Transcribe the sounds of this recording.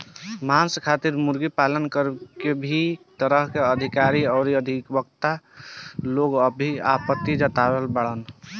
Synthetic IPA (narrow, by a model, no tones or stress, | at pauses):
manskʰat̪iɾmuɾɡipalənkəɾkebʱit̪əɾəɦkeəd̪ʱikaɾiɔːɾiəd̪ʱikbəkt̪a | loɡəbʱiapət̪ːid͡ʒət̪abelbəɽən